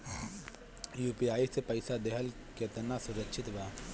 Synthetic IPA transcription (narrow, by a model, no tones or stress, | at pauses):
juːpijaːisepɐɪsad̪eɦəl | ket̪ənasʊɾəkʃʰɪt̪baː